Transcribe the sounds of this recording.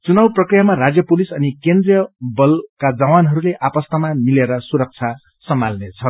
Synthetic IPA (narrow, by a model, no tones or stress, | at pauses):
t͡sunawprʌkrijamarad͡zjʌpulisʌnikend̪rijʌbʌlkad͡zʌwanɦʌɾuleʔapʌst̪amamileɾʌsuɾʌk̚t͡sʰa | sʌmalnet͡sʰʌ